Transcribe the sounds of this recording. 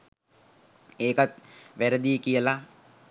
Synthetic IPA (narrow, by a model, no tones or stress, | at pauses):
eːkat̪̚ʋæɾəd̪iəkijəla